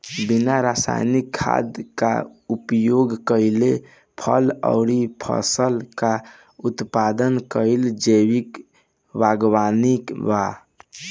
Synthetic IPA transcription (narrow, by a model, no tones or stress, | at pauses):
binaɾasa̰jnikʰːa̰d̪ka̰upjoɡkəɪle | pʰə̰lə̰ʊɾipʰə̰səlka | ut̪pad̪ənkəɪld͡ʒəwik | baɡwanikba